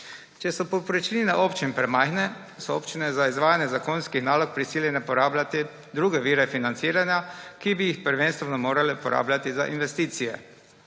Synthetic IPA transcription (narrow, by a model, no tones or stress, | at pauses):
t͡ʃɛsɔpɔpɾɛt͡ʃinɛʔoːpt͡ʃinpɾɛmajxnɛ | sɔoːpt͡ʃinɛzaizʋaːjanjɛzakonskixnaːlɔk̚pɾisiːljɛnɛpɔɾaːblat̪i | d̪ɾuːɡɛʋiːɾɛfinant̪siːɾanjakibijixpəɾʋenst̪ʋɛnɔmoːɾalɛupɔɾa̰ːblʲjat̪iza̰ʔinʋɛst̪iːt̪sijɛ̰